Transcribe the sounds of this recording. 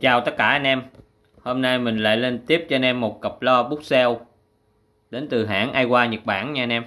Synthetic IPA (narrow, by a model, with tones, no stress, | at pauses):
t͡ɕaː˨˩wt̪ə˦˥t̚kaː˧˩ʔa˧nʔɛ˧m | ho˧mna˧jmï˨˩ŋ̟la̰ː˧˨jle˧nt̪i˦˥əp̚t͡ɕɔ˧nʔɛ˧mːo˨˩t̚kə˨˩p̚lɔ˧ɓu˦˥t̚sɛ˧w | ɗe˨˦nt̪ɨ˨˩ɦa̰ː˧˥nʔaː˧jkwaː˧ɲə˨˩t̚ɓaː˧˩nɲa˧nʔɛ˧m